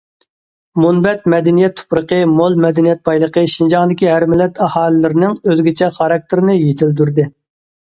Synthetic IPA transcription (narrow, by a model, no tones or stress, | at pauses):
munbɛt̪̚mɛd̪ɛnijɛt̪ʰːo̥pɾəqəmolˠmɛd̪ɛnijɛt̪̚bɑjlˠəqəʃind͡ʒɑŋd̪ɪkʲiɦæɾmɪlːɛt̪ɑhɑːlˠɨlɪɾɪnɪŋøzɡʲet͡ʃʰɛχɑɾɑk̚t̪ʰɪɾɪnɪjet̪ʰɪld̪yɾd̪ɪ